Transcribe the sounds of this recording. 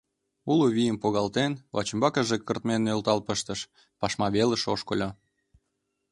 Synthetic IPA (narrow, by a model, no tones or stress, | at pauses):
uloβijəmpoɣɑlt̪envɑ̰t͡ɕəmbɑkəʒekːərt̪menølt̪ɑlpəʃt̪əʃ | pɑʃmɑβelə̆ʃoʃkolʲo